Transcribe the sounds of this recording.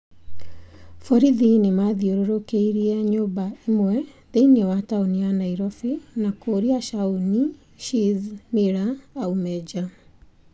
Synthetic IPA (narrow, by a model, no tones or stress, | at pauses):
fɔɾiðinemaðioɾoɾokeiɾiɛɲoːbaimwɛ | ðeinɔwataonianaiɾɔfinakoːɾiaʃauni | ʃizmiɾaːumɛd͡ʒa